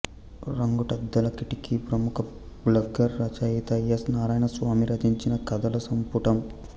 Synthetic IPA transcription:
ɾɐŋɡuʈɐd̪ːɐlɐkiʈikipɾɐmukʰɐ | blɐɡːɐɾːɐt͡ʃɐjit̪ɐjɐsnaːɾaːjɐnɐsʋaːmiɾɐd̪ʱiɲt͡ʃinɐkɐd̪ɐlɐsɐmpuʈɐm

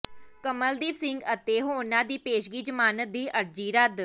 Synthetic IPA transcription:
kəməld̪iːʋsɪŋɡət̪eːɦoːnãːd̪iːpeːʃɡiːd͡ʒəmaːnəd̪iːʔəɾd͡ʒiːɾəd̪

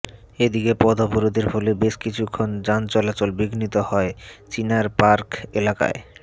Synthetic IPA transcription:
ed̪ikepɔd̪ʱopuɾod̪eɾfolebeʃkit͡ɕʰukʰːond͡ʑant͡ɕɔlat͡ɕolbiɡnit̪ohɔet͡ɕinaɾpaɾkelaka̰e

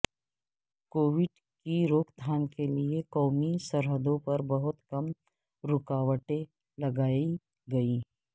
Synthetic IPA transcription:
koːʋɪɖ | kiɾoːkd̪ʰʱaːnkeliekɔːmisɐɾɦəd̪õpɐɾbɐɦʊt̪kɐm | ɾʊkaːwəʈẽ | lɐɡaːi | ɡɐiː

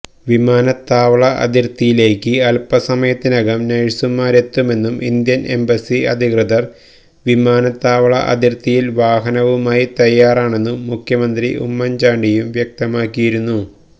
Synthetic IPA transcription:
ʋimaːnɐt̪ːaːʋɐɭɐʔɐ̰d̪irt̪ːijile̞ːkːɨɐlpɐsɐmɐjɐt̪ːinɐɡɐmnɐɻsumːaːɾe̞t̪ːume̞nːumʔind̪jɐnʔe̞̰mbɐsiɐ̰d̪ʱikrɨðɐr | ʋimaːnɐt̪ːaːʋɐɭɐ̰ʔɐ̰d̪irt̪ːijilʋaːɦɐnɐʋumaːjit̪ɐjːaːraːɳe̞nːuːukʰjɐmɐnd̪riʔṵmːɐnd͡ʑaːɳɖijumʋjɐk̚t̪ɐmaːkːijiɾunːu

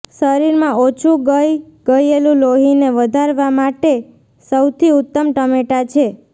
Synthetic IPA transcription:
səɾiɾmãot͡ʃʰuɡəj | ɡ̥əjelũloɦineʋəd̪ʱaɾʋamaʈe | səwt̪ʰiut̪ːəmʈəmeʈat͡ʃʰe

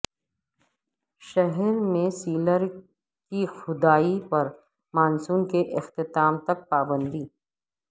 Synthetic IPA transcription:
ʃɛɦɛɾmẽsiːləɾ | kixʊd̪aːipɐɾ | maːnsuːnkeʔɪxt̪ɪt̪aːmt̪ɐk̚paːbə̃nd̪iː

